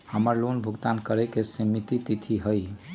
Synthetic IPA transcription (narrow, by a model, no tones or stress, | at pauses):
həməɾlonbʱuɡt̪ankəɾɛkesimit̪it̪it̪ʰiɦəj